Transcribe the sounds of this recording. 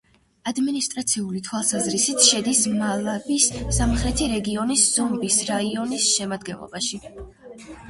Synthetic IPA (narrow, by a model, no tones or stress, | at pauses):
ad̪minist̪ʼɾat̪sʰiulit̪ʰwalˠsazɾisit̪ʰʃɛd̪ismalˠabisːamχlɛt̪ʰiɾɛɡiɔnisz̥ɔmbisɾaiɔnisʃɛmad̪ɡɛ̰nlˠɔ̰baʃi